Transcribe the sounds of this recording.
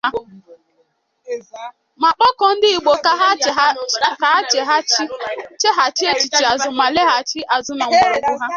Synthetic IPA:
a˦ | ma˨k͡pɔ˦kɔ˨n̩˦dɪ˦i˨ɡ͡bo˨kɦka˨˦t͡ʃe˨ɦa˦t͡ʃe˦ɦa˨t͡ʃi˦e˦t͡ʃi˨t͡ʃi˨a˨zʊ˨ma˨le˦ɦa˨t͡ʃɪ˦ʔa˨zʊ˨˦na˨ŋ͡m̩˦ka˦ɾʊ˨ɡʊ˦ɦa˦

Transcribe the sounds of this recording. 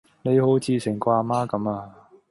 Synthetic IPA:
ne˨˧jho˨˥wt͡sʰiː˧sɪ˨˩ŋkʷaː˧maː˥kɐ˨˧˥maː˧

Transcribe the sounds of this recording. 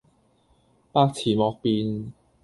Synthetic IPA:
paː˥k̚t͡sʰiː˨˩mɔː˨˧k̚piː˧n

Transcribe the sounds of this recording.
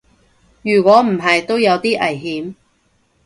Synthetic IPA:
jyː˨˩kʷɔː˨˥m̩˨˩ɦɐ˨jt̪o˥wjɐ˨˧wt̪iː˥ʔɐ˨˩jɦiː˨˥m

